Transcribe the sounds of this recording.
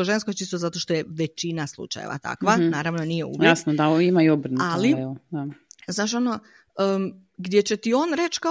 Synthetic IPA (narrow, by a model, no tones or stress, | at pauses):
oʒenskot͡ʃist̪ozat̪o̞ʃt̪o̞jeʋet͡ɕinaslˠṵt͡ʃa̰jḛʋa̰t̪a̰kʋanaːɾaʋno̞nijeṵʋjasnod̪aoimaiobɾ̩nuallieod̪aznaːʃo̞no | ə | ɡd̪ʲje̞t͡ɕe̞t̪io̞ːnɾe̞t͡ʃka